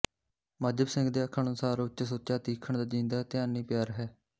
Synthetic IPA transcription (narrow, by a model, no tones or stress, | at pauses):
məd͡ʒəbsɪ̃ŋɡd̪eːəkʰːəɳ̃əsaːɾʊt͡ʃsoːt͡ʃaːt̪iːkʰəɳd̪aːd͡ʒĩːnd̪aːt̪ɪjaːniːpɪjaːɾɦɛː